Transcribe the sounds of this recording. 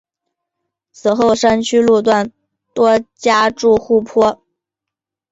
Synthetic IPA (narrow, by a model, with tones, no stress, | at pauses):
t͡sʰɹ̩˨˩xo˥˩ʊʂa˥nt͡ɕʰy˥lu˥˧t̪̬wa˥˩n | t̪wɔ˥t͡ɕja˥ʈ͡ʂu˥˧xu˥˩pʰwɔ˥